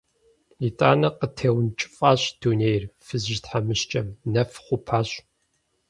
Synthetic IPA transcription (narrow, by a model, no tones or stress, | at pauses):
itʼa̰ːnɐqətʰeːwnt͡ʃʼɪ̥fʼaːɕd̥uːneːjrfɨzʒtħamɨɕt͡ʃʼɐmnɐfχʷʊpʰaːɕ